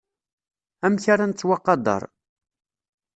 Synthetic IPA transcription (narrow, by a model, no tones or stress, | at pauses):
æmçaɾˤant͡sːwɑqːɑd̪ˤɑ̰ɾˤ